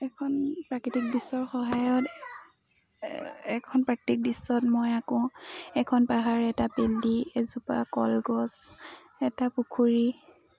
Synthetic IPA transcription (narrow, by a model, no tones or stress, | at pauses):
ɛkʰɔnpɹakitik̚disɔɹxɔɦajɔt | ɛkʰɔnpɹaktik̚disːɔtmɔjakɔ̃ɛkʰɔnpaɦaɹɛtapeliezupa̰kɔ̰lɡɔs | ɛtapukʰuɹi